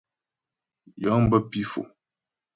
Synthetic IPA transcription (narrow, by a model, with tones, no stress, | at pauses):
ja˦ŋm˦bə˦pi˦fo̰˨